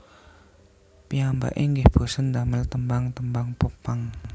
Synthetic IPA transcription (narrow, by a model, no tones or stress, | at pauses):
piamba̰ʔeŋɡɪhb̥o̤sənd̪aməlt̪əmbaŋt̪əmbaŋpəpaŋ